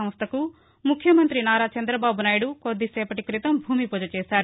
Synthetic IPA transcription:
ɐm̃st̪ʰɐku | mukʰːjɐmɐnt̪ɾinaːɾaːt͡ʃɐnd̪ɾɐbaːbunaːjɽukod̪ːisɛːpɐʈikɾit̪ɐmbʱuːmipud͡ʒɐt͡ʃɛːsaːɾu

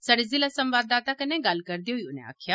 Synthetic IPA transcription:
səɽezilasə̃mʋaːd̪aːt̪akɐneɡɐlkəɾd̪iɦoiʊnḛ̃a̰ːkʰjaː

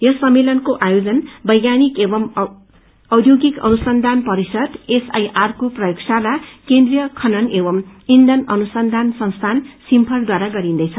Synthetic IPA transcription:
jʌsʌmːelʌnkoʔajod͡zʌnbʌjɡanikebʌm | ʌwd̪ʱjoɡikʌ̰nusʌnd̪ʱanpʌɾisʌd̪esa̰jʔarkoprʌjoksalakend̪rijʌkʰʌnʌnebʌmind̪ʌnʌnusʌnd̪ʱansʌ̃w̃st̪ʰansimpʰʌrd̪waɾaɡʌɾind̪ʌjt͡sʰʌ

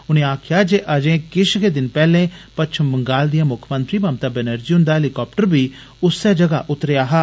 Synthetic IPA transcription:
ʊnẽːaːkʰɪjaːd͡ʒeːʔəd͡ʒẽːkɪʃɡeːd̪ɪnpɛːlẽːpətːt͡ʃʰəmbəŋɡaːld̪ijãːmʊkʰmə̃nt̪ɾiːbaːmt̪aːbɛnəɾd͡ʒiːɦʊ̃nd̪aːɦelɪkɔːp̚ʈəɾbiː | ʊsːɛːd͡ʒəɡa̰ːʔʊt̪ɾejaːɦaː

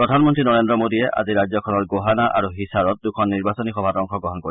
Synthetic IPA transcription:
pɹɔdʱanmɔntɹinɔɹendɹɔmodiɛʔa̰ziɹajzɔkʰɔnɔɹɡoɦanaʔa̰ɹuɦisaɹɔt̪̚dukʰɔnːiɹbasɔnixɔbʱatɔŋkʰɔɡɔɦɔnkoi

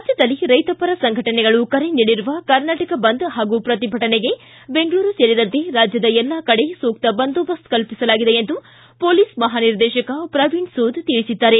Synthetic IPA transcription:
ɾaːd͡ʒjɐd̪ɐlːiɾɐjt̪ɐpɐɾɐsɐŋɡʱɐʈɐnɛɡɐɭukɐɾeniːɽiɾuʋɐkɐɾnaːʈɐkɐbɐnd̪ɦaːɡupɾɐt̪ibʱɐʈɐneɡe̞ | be̞ŋɡɭuːɾuseːɾid̪ɐnt̪e̞ɾaːd͡ʒjɐd̪ɐɛlːɐkɐɽesoːk̚t̪ɐbɐnd̪oːbɐskɐlpisɐlaːɡid̪eend̪u | poːliːsmɐɦaːniɾd̪ɛːʃɐkɐpɾɐʋiːɳsuːd̪t̪iɭisid̪ːaːɾe̞

